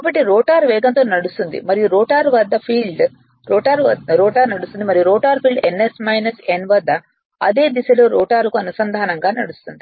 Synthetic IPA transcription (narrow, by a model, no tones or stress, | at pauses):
kaːbɐʈːiɾoːʈaːɾʋɛːɡɐnt̪oːnɐɽust̪und̪ḭmɐɾijuɾoːʈaːɾʋɐd̪ːɐpʰiːɭɖ | ɾoːʈaːɾɐɾoːʈaːɾnɐɽust̪und̪imɐɾijuɾoːʈaːɾpʰiːɭɖenːesmɐjnɐsenʋɐd̪ʱːɐ | ɐd̪e̞ːd̪isɐloːɾoːʈaːɾukuɐnusɐnd̪ʱaːnɐŋɡaːnɐ̰ɽust̪und̪i